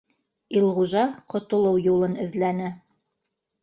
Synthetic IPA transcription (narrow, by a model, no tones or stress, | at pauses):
ilˠʁuʒɑqŏt̪ŏlˠɤwjulˠɤnɘ̆ðlænɘ